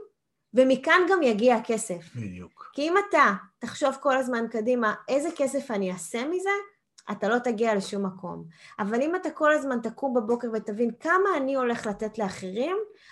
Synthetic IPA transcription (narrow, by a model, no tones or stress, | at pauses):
vemikanɡamjaɡiake̞se̞fkiimatataχʃo̞vko̞lazmankadimaʔe̞zeke̞se̞faniase̞mize̞ | ʔa̰talo̞taɡiale̞ʃumːakʰo̞̰mavalimatako̞lazmantakumbabo̞ke̞ʁvetavinkamaːnio̞le̞χlate̞tleaχeʁim